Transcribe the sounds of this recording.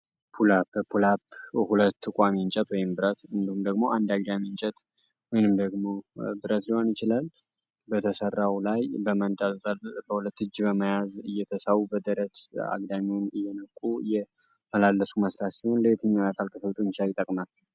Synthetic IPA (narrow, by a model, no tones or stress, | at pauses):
pʰulappʰulaphulət̪ːɨkʷʼamint͡ʃʼɛt̪wɔjɪmbɨɾət̪ɨnd̪ihumd̪əɡmo̞ʔand̪aɡ̚d̪amint͡ʃʼɛt̪ | mɨnɨmd̪əɡmo̞bɨɾət̪lihonjɪt͡ʃɪlal | bət̪ʰəsərːawlajbəmənt̪ʼəlt̪ʼəlbəhulət̪ːɨd͡ʒːbəməjazɨjːɛt̪ʰəsawubəd̪əɾət̪a̰ɡd̪amiwnɨjːɛnəkʼːujɛ | məlalːəsuməsɾat̪siho̞nləet̪ʰɨɲːajat̪ʰalk̪ʰəfəwt̪ʼunt͡ʃajɪt̪ʼəkʼmal